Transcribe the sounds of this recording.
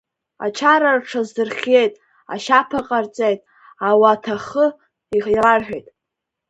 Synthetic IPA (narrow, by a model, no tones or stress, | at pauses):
a̰t͡ʃʰaɾarʈ͡ʂʰazdɨrχʲe̞jtʼ | a̰ʃapʰaqʼart͡sʼejtʼ | awatʰaχə | iirarħʷᶣejtʼ